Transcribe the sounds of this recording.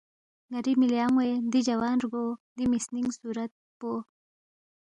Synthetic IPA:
ɡaɾimɪljɑːŋwed̪id͡ʒawɑːnɾɡod̪imisniŋɡsuɾat̪̚po

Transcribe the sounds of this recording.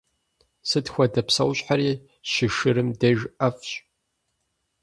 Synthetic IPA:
sɨtxʷɐdɐpsɐwɕʼħaɾiː | ɕɪʂɨɾɨmdɐʒʔɐfɕʼ

